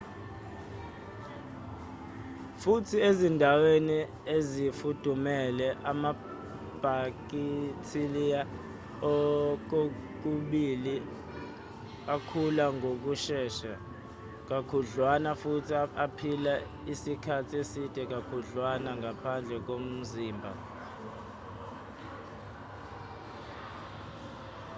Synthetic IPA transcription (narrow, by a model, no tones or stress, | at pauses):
futʰiezindʱaweni | ezifud̥ʱumɛlɛʔama | b̥ʱak̬itʰilija | ɔk̬ok̬uɓili | akʰulaŋʱok̬uʃɛːʃa | k̬ʼakʰuɮwanafutʰiapʰila | isikʰatʰiesid̥ʼʱɛk̬ʼakʰuɮwanaŋɡʱapʰand͡ɮʱɛk̬om̩ziːmbʱa